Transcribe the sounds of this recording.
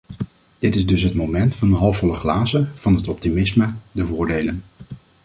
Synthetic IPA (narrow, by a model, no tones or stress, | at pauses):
d̥ɪtɪzdɵsɦətmowmɛntfɑndəɦɑlˠfɔləχlaːzəv̥ɑnɦətɔp̚timɪsmədəvʊːɹdejlən